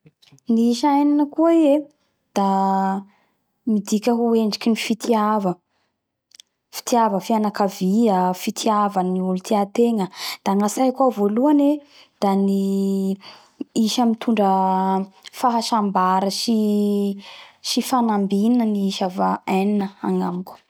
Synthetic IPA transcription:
niiʃajninəkuie | d̪̥a | mid̪ikʲəɦueɳɖ͡ʐikʲinifit̪ʰiavə | fi̥t̪iavəfianakaviəfit̪ʰiavaniulut̪ʰiat̪eŋəd̪̥aaŋasajkavoluane | d̪̥ani | iʃəmit̪ʰuɳɖ͡ʐə | faɦaʃambaɾəʃi | ʃifanambininəniiʃavaajninəa̰ŋamikʲu̥

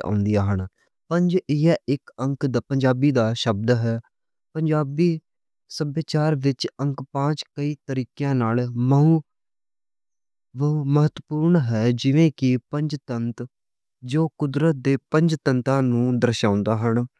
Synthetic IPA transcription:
ã̰ːnd̪ijaːɦən | pəɲd͡ʒɪɛɪkəŋkd̪pəɲd͡ʒaːbiːd̪aːʃəb̚d̪ɦɛː | pəɲd͡ʒaːbiː | səbjeːt͡ʃaːɾʋɪt͡ʃə̃ŋkpãːt͡ʃkəiːt̪əɾiːkjãːnaːlməũː | ʋəməɦət̪ːpuːɾɳɦɛːd͡ʒɪʋẽːkɪpəɲd͡ʒt̪ənt̪ | d͡ʒoːkʊd̪ɾət̪̚d̪eːpə̃ɲd͡ʒt̪ənt̪ãːnũːd̪əɾʃãːʊnd̪aːɦən

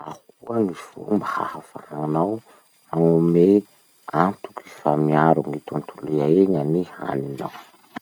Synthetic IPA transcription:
a̰hukuaŋifṵmbaha̰hafa̰aŋanaw | aŋume | ant̪u̥ki̥famiaɾuŋit̪unt̪ʰuliaeɲaniha̰ninaw

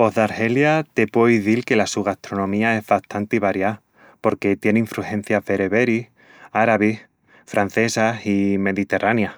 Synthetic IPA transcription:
po̞ðaɾhe̞ljat̪e̞pweiðilke̞lasuɣaht̪ɾo̞nõ̞mĩae̞zβaht̪ant̪iβaɾja | po̞ɾke̞t̪je̞neiɱfɾuhẽ̞n̟θjaβe̞ɾeβe̞ɾi | aɾaβih | fɾan̟θe̞sasime̞ðit̪e̞ranja

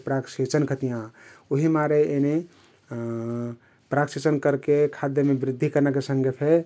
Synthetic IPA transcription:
pɾakset͡ʃənkʰət̪ijãoɦimaɾeene | pɾaksit͡ʃənkəɾkekʰad̪jəmebɾid̪ʱːikəɾnakesə̃ŋɡepʰe

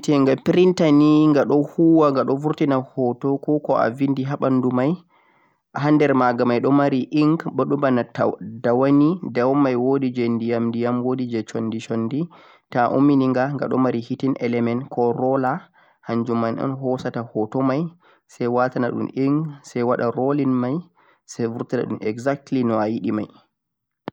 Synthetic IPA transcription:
tɛŋɡapiɾintaniŋɡaɗɔhuwaŋɡaɗɔvuɾtinahɔtɔkɔkɔa̰vindiɦaɓandumaj | aɦandɛɾmaɡamajɗɔmaɾiʔiŋɡɓɔɗumbanadawanidawmajwodid͡ʒɛndijamdijamwodid͡ʒɛt͡ʃondit͡ʃondi | taʔṵmːiniŋɡaŋɡa̰ɗɔ̰maɾihitinʔɛlɛmɛnkɔɾɔla | haɲd͡ʒumanʔɔ̰nɦɔsatahɔtɔmaj | sɛjwatanaɗṵmiŋɡsajwaɗa̰ɾolinmaj | savuɾtana̰ɗṵnʔɛɡzak̚tlinɔajiɗimaj

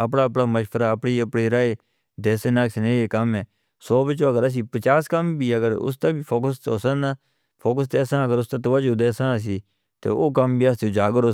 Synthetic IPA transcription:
əpɽaːəp̬ɽaːməʃpəɾaːəpɽiːəpɽiːɾaːeː | d̪eːseːnaːksnẽːeːkəmɛ̃ː | soːbət͡ʃoːəɡəɾəs̬iːpət͡ʃaːskəmbiːəɡəɾʊ̰s̬t̪ẽːbiːpʰoːkəst̪oːsəna | pʰoːkəs̬t̪eːsãːəɡəɾʊst̪ẽːt̪oːʋəd͡ʒoːd̪eːsãːs̬iː | t̪ḛːoːkəmbiːast̪oːd͡ʒaːɡəɾoː

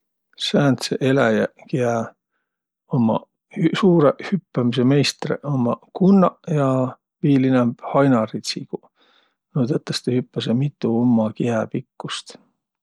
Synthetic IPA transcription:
sæːnt̪seʔelæjækiæ | omɑ̰ | hsuːɾehypːæmis̬eme̞jst̪rḛʔomːɑkunːɑjɑ | viːlinemb̥hɑjnɑrit̪siku | noːd̪ɑt̪ːˑɑst̪ehypːɑsemit̪ˑːuomːɑkiæpikːust̪

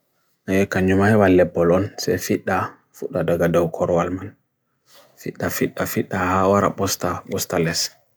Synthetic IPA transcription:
ajɛkaɲːumahɛwalːɛbːɔlɔnsɛ̰fiɗːa | fuɗadaɡadawkʰɔɾwalman | fḭɗːafiɗːafiɗːahawaɾa̰ɓɔstaɓɔstalɛs

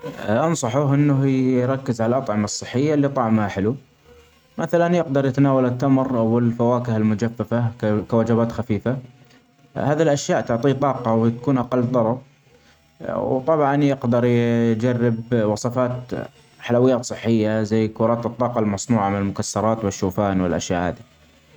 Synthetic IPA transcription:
ʔɑnsˤɑħʊɦʔɪnːʊhiɾˤɑkːɪzʕalalʔɑt̪ˤʕɪmɑsˤːɨħːɪjːalːit̪ˤɑʕmhaħɪlu | maθalanjɪqd̪ɑɾˤjt̪anaːwalɪt̪ːamɾʔawɪlfawaːkɪhɪlmʊd͡ʒafːafakawad͡ʒabaːt̪xafiːfa | haːðilʔaʃjaːʔt̪ʊʕt̪ˤiːt̪ˤɑːqɑwt̪ḁkuːnʔɑqɑlːd̪ˤɑɾˤɑb | wt̪ˤɑbʕɑnjɪqd̪ɑɾˤjjd͡ʒarːɪbwɑsˤɑfaːt̪ | ħalawɪjːaːt̪sˤɨħːɪjːazajːkʊːɾˤɑːt̪ɨt̪ˤːɑːqɑlmɑsˤnuːʕamɪnɪlmʊkasːɑɾˤɑːt̪wɪʃːuːfaːnwɪlʔa̰ʃja̰ʔha̰ːði

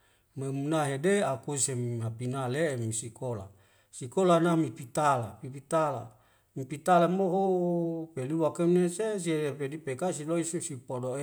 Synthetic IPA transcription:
memunaɦedeakusemapinaleːmisikola̰ | sikolanamipit̪alapipit̪ala̰ | mipit̪alamoɦopeliwakemneses̬iepedipekasiloisusipodoe

